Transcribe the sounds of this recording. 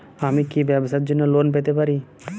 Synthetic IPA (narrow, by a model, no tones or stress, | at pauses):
amikibɛbsat̪̚d͡ʒonːoloːnp̬et̪epaɾi